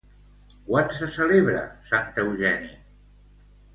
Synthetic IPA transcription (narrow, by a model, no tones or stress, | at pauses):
kwansəsəleβɾə̰sant̪əwʒɛni